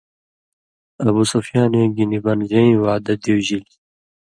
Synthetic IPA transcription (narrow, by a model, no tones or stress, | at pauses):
ɐbusofjaːnwẽɡinibɐnʑɐĩwaːd̪ɐd̪iwʑil